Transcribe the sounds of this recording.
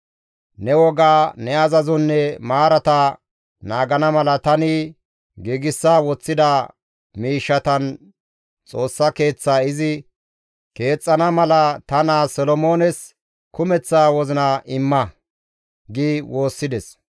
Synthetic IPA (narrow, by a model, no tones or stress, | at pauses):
nɛwɔɡaːnɛɐzɐzɔnːɛmaːɾɐt̪ɐ | naːɡɐnɐmɐlɐt̪ɐnɪ | ɡiːɡɪsːaːwɔt͡sːɪd̪a | miːʃːɐt̪ɐn | t͡sʼo̞ːsːɐke̞ːt͡sːaːɪzɪ | ke̞ːt͡sʼːɐnɐmɐlɐt̪ɐnaːsɔlɔmo̞ːnɛs | kʊmɛt͡sːaːwɔzɪnɐʔɪmːɐ | ɡiwo̞ːsːɪd̪ɛs